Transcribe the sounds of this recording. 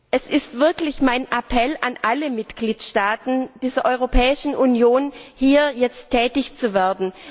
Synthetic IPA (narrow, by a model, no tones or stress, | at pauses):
ʔɛsɪstv̥ɪɐklɪçmaɪnʔapʰɛlanʔaləmɪtɡ̥liːtʃtaːtn̩d̥iːzɐʔɔʏʁ̞opʰɛːɪʃn̩ʔunjoːnhiːɐjɛt͡stʰːɛːtɪçt͡suveːɐdn̩